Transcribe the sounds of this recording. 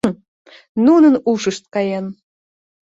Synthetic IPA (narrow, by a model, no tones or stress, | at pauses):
nunənuʃəʃt̪̚kɑjɑn